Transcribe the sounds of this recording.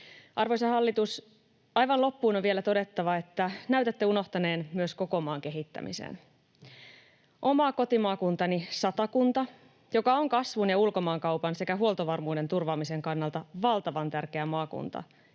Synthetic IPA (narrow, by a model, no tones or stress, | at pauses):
ʔɑrʋoisɑɦɑlːit̪us | ɑjʋɑnlo̞pːuːnoʋielæt̪o̞de̞t̪ːɑʋɑet̪ːænæɥt̪æt̪ːeuno̞ht̪ɑne̞ːnmyøsko̞ko̞mɑːŋk̟e̞ɦit̪ːæ̰mḭsḛn | ʔo̞mɑko̞t̪imɑːkunt̪ɑnisɑt̪ɑkunt̪ɑ | jo̞kɑo̞ŋkɑsʋunjɑulko̞mɑːŋkɑwpɑnse̞kæɦuo̞lt̪oʋɑrmuːde̞nt̪urʋɑːmise̞ŋkɑnːɑlt̪ɑʋɑlt̪ɑʋɑnt̪ærke̞æmɑːkṵnt̪ɑ̰